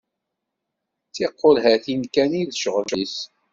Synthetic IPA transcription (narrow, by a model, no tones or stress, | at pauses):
t͡sːiqːolɦæθinkæniðʃʁəlʃis